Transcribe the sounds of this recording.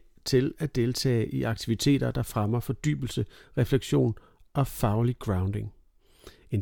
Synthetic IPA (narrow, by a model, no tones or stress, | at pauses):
t͡sʰe̝læd̥e̝lt͡sʰɛ̰ːɪʔiʔɑ̈ɡ̥̚t͡sʰiʋit͡sʰe̝̰ːd̥ɐd̥ɑ̈fʁamɐfɒ̽d̥y̰ːb̥l̩səʁɛfleɡ̥ɕo̝̰ːn | ɒ̽fɑ̈ʊliɡ̥ʁɑ̈ʊnd̥e̝ŋ | en